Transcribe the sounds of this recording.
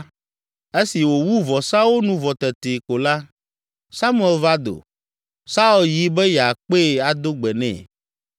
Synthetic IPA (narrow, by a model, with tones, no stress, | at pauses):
e˦si˨wo˨wu˦vɔ˨sa˦wo˦nũ˦vɔ˨t̪ɛ˨t̪e˨ko˨la˦ | sa˦mu˦ɛ˨lva˦d̪o̰˨ | sa˦u˨lji˦bɛ˦ja˨k͡pe˦˨a˨d̪o˦ɡ͡bɛ˨nɛ̰̃˦˨